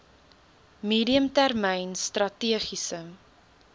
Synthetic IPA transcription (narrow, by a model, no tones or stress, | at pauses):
miːɾiəmtærmɛjnstrɐtiəχisə